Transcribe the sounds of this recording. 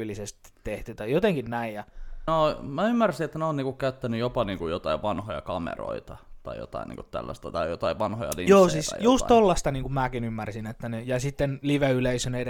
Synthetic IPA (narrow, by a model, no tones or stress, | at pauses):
lisest̪i̥t̪ːeht̪yt̪ɑjjot̪eŋkinnæijjɑomæymːærsiet̪ːænoːniːŋkukkæyt̪ːænyjopɑniːŋkujjot̪ɑiʋʋɑnhojɑ̰kɑmḛro̰it̪ɑt̪ɑijo̰t̪ɑ̰inḭːŋkut̪t̪æ̰lːæ̰st̪ɑt̪ɑijot̪ɑiʋʋɑnhojɑ̰lḭjoːsisjusttt̪olːɑst̪ɑniːŋkummæːkinymːærsinet̪ːænejɑsit̪ːenliʋeyleisøned